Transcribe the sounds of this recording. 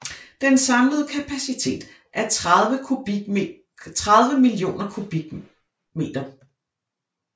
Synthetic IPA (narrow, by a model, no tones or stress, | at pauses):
d̥ensɑ̈mləð̞̩ˠəkʰæpʰæsit͡sʰe̝̰ːd̥ | ʔæɐəu̥ | t͡sʰʁað̞ˠʋəmilio̝̰ːnɐkʰub̥iɡ̥ | me̝̰ːd̥ɐ